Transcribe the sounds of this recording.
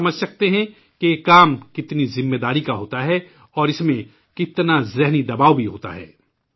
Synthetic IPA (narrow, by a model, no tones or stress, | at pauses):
ɐməd͡ʒʱsɐk̚t̪eɦɛ̃ | kejekaːmkɪt̪nizɪmːeːd̪aːɾikaɦoːt̪aɦɛ | ɔːɾɪsmẽ | kɪt̪nazɛɦnid̪ɐbaːʋbʱiɦo̰ːt̪a̰ɦɛ̰ː